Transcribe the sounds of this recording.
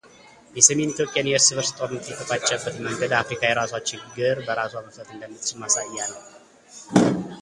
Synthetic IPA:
jɛsəme̞nit̪ʰjo̞pʼjanjɛɾsɨβəɾsɨt̪ʼonmɨt̪ʼjɛt̪ʰːəfat͡ʃʼːɛbːət̪məŋɡəd̪afɾikʰajɛɾasat͡ʃːɪnɡɨɾbəɾasoaməft̪ʰʼət̪ɨnd̪əmːɨt̪t͡ʃɪmasajːalːəw

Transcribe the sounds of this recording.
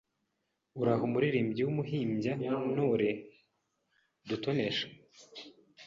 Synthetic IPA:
uɾaɦumuɾiɾiːmbɟiwumuɦiːmɟamunoɾe | dutoneʃḁ

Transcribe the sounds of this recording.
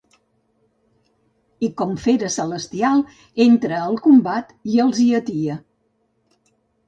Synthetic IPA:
ikɔmfeɾəsələst̪ialˠ | ent̪ɾəːlˠkumbat̪iəlˠziət̪iə

